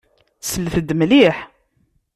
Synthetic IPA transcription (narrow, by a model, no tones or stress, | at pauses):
səlːθəd̪mliħ